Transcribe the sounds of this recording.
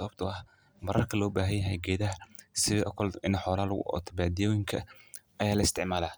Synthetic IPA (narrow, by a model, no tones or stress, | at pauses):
ɐβɐb̚t̪ʰʊɐh | mɐɾɐrkʰɐlɔːbaːɦɐjjɐɦɛ̰ɡɛːðɐɦɐsɪʔɐkʰɔlɪnħɔːlaːlɣʊ̰ʔɔ̰t̪ʰɐbaːd̪ijɔːjɪŋkʰɐʔɐjaːlɐɪst̪ʰɪʕmaːlaː